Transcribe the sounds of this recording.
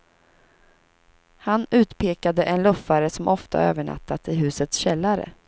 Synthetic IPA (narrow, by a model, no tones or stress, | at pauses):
hanʉ̟ːt̪pʰeːkad̪əʔɛnlɵfːaɾəsɔmʔɔft̪a̰øːvəɳa̰t̪ːat̪ɪɦʉ̟ːsət̪sɕɛlːaɾə̰